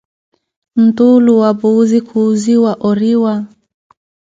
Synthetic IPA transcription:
m̩tuluwabuːzikʰuːziwaʔɔɾiwa

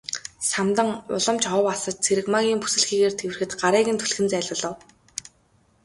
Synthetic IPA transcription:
samt̪ə̆ŋʊ̰ɮɞ̆mt͡ɕɔwasə̆t̪̚t͡sʰeɾɘ̆kmaɣʲiːmpu̥sɘ̆ɮxiːɣeːrt̪ʰewɘrxɘ̆t̪ɢaɾiːɣɘ̆nt̪ʰuɮxɘ̆nt͡sæːɮʊ̆ːɮɞ̆w

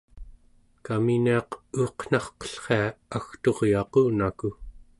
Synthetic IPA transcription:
kaminiɑquːqn̥ɑχqʌ̥ɬχeaaxt̪o̞ʁjɑquːnaku

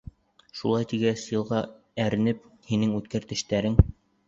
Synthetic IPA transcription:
ʃulˠɑjt̪iɡæsjɤ̆lˠʁɑ | æɾɘ̆nɘp̚hinɘŋʉt̪kæɾt̪ɘ̆ʃt̪æɾɘŋ

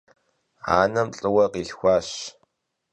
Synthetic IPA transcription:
a̰ːnɐmɬʼɨwɐqiːɬxʷaːɕ

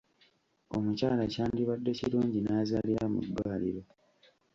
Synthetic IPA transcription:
o̞̰mucaːlacaːndiβadːe̞ciluːɲɟinaːzaliɾamṵdːwaːliɾo

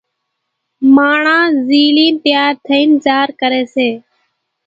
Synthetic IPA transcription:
maːɳãːziːliːnt̪ɪjaːɾt̪ʰəĩːnt͡ʃaːɾkəɾeːseː

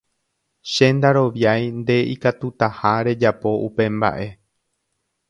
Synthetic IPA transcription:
ʃe̞nd̪aɾo̞ʋjajnd̪e̞ikat̪ut̪ahaɾe̞d͡ʒapo̞ʔupe̞mba̰ʔe̞

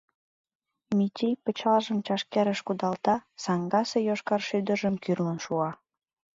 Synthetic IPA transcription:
mit̪ʲijpət͡ɕɑlʒəmt͡ɕɑʃkeɾəʃkud̪ɑlt̪ɑsɑŋɡɑsejoʃkɑrʃyd̪əʒəmkyrlənʃuɑ

